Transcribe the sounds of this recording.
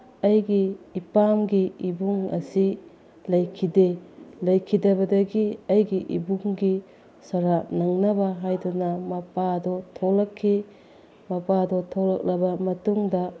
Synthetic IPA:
ɐjɡiːpamɡiibuŋɐ̰si | lɐjkʰidelɐjkʰidɐbɐdɐɡiɐjɡiʔḭbuŋɡi | sɐɾanɐŋnɐbɐɦajdunɐmɐpadɔtʰolɐkʰːi | mɐpadɔtʰolɐk̚lɐbɐmɐtuŋdɐ

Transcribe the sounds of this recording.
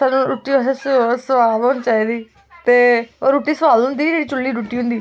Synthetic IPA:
saːnũːɾuːʈːiːoɦessəʋaːʋɦoːnt͡ʃaːiːd̪iː | t̪eːoːɾuːʈiːsəʋaːlʊ̃nd̪iːd͡ʒeːɽiːt͡ʃʊlːiːɾuːʈiːɦʊ̃nd̪iː

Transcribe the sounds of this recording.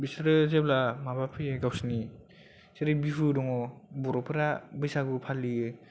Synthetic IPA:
bisɾɯzeblamabapʰɯjeɡawsni | seɾɯbifɯdɔŋɔbɔɾɔpʰɯɾabɯjsaɡɯpʰaliɯ

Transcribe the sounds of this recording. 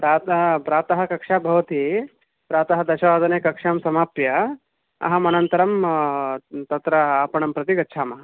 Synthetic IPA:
pɾaːt̪ɐɦɐpɾaːt̪ɐɦɐkɐkʂaːbʱɐʋɐt̪i | pɾaːt̪ɐɦɐd̪ɐʃɐʋaːd̪ɐneːkɐkʂaːmsɐmaːpjɐ | ɐ̰ɦɐmɐnɐnt̪ɐɾɐm | t̪ɐt̪ɾɐaːpɐɳɐmpɾɐt̪iɡɐtːt͡ʃʰaːmɐɦɐ

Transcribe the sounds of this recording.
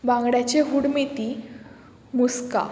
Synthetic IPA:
bãŋɡɽjat͡ɕeɦuɽmit̪i | muska̰

